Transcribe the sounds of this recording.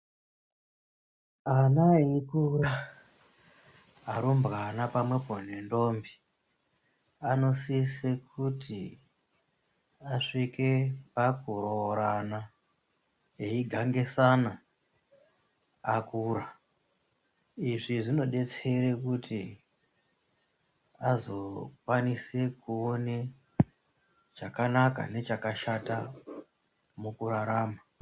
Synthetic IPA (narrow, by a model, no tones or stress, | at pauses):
anaeikura | aɾumbɣanapamwe̞pon̤e̞ndo̞mbi | ano̞sisekʰuti | aʂike̞pakuroɾana | eiɡʱaŋɡe̞sana | akuɾa | iʐiʐino̞ɗe̞t͡se̞ɾekuti | azo̞kwanise̞kuone | t͡ʃakanaka̰ne̞t͡ʃakaʃata | mukuɾaɾaːma